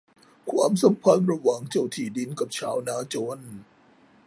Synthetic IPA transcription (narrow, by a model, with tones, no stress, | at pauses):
kʰwa̰ː˧msa˨˦mpʰa˧˥nɾa˧wa˨˩˦ŋt͡ɕo˨˩wt̪ʰiː˨˩di˧nka˨˩p̚t͡ɕʰaː˨˦wnaː˧˦˥t͡ɕoː˧˨n